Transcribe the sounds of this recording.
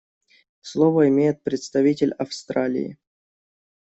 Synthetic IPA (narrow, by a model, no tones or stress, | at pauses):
slˠovəɪmʲejɪt̪̚pɾʲɪt̪st̪ɐvʲitʲɪlʲɐfst̪ɾalʲɪ̰ɪ̰